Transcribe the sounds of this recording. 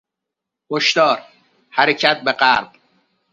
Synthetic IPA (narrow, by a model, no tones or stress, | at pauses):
hoʃt̪ɒːɾ | hæɾecʰæt̪̚ʰbeɢæːɾb̪̥